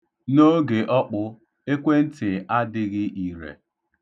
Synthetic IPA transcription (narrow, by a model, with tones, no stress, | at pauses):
no˦ɡe˨ʔɔ˦k͡pʊ˦ | e˦kʷe˦n̩˦tɪ˨a˦dɪ˦ɣɪ˦ʔi˨ɾḛ˨